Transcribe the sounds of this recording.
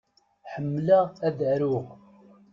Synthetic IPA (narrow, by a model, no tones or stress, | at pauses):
ħəmːlaʁæðəɾʊʁ